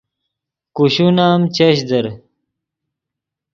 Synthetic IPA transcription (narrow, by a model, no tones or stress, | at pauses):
kuɕunaːmt͡ɕɐɕ̬d̪ɐɾ